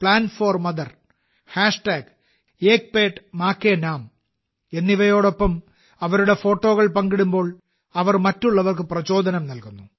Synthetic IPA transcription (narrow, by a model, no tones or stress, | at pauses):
pɭaːnfoːrmɐðɐr | haːʂʈaːɡ | eːk̚peːʈmaːkːenaːm | e̞nːiʋɐjo̞ːɽo̞pːɐm | ɐʋɐɾuɽe̞fo̞ːʈːo̞ːɣɐɭpɐŋɡiɽumbo̞ːɭ | ɐʋɐrmɐtːuɭːɐʋɐrkɨprɐt͡ɕo̞ːd̪ʱɐnɐmnɐlkunːu